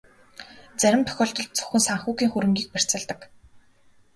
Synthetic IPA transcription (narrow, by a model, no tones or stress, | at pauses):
t͡sæɾʲɪ̆mt̪ʰœ̥xʲɔːɬt̪ɞ̆ɮt̪̚t͡sʰɵ̥xʲɘ̆nsaɴχxuːkiːŋxuɾɘ̆ŋɡʲiːk̚pær̥ʲt͡sə̆ɮt̪ə̆k